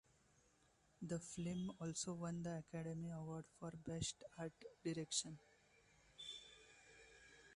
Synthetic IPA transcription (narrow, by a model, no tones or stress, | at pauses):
d̪əflɪ̃mɔːlsoʋʌ̃nd̪əækæɖemiəʋɔɾɖfɔːɾbesʈaɾʈɖiɾekʃə̃n